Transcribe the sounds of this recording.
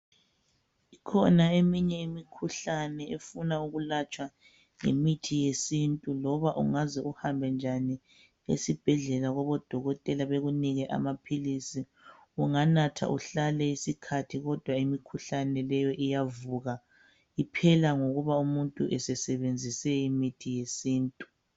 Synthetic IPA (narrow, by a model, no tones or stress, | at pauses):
ikʰɔnaemiɲɛimikʰuɬanɛefunauɣulat͡ʃʼwa | ŋḛmitʰijesintʼulɔβaʔṵŋazɛʔuhambʱɛnd͡ʒʱani | ḛsib̥ʱɛɮɛlaɣɔβɔd̥ʱɔɣɔtʼɛlaβeɣuniɣɛʔa̰mapʰilisi | uŋanatʰa̰ʔuɬalɛisikʰatʰiɣɔd̥ʱwaimikʰuɬanɛlɛjɔʔijavuɣa | ipʰɛlaŋoɣuβaumuntʼuʔɛsɛsɛβend͡zʱisɛimitʰijesiːntʼu̥